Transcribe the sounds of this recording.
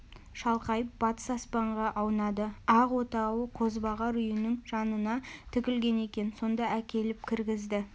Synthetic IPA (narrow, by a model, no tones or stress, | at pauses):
ʃɑlˠqɑjəp̚bɑt̪ə̥sɑspɑɴʁɑʔɑwnɑd̪əɑʁwo̞t̪ɑwəqʰo̞zbɑʁɑɾʏjɪnɪŋʒ̥ɑnənɑt̪ʰʏkʲɪlɡʲe̞ne̞kʲe̞nso̞nd̪ɑʔækʲe̞lɪp̚kʲʰɪɾɡʲɪzd̪ɪ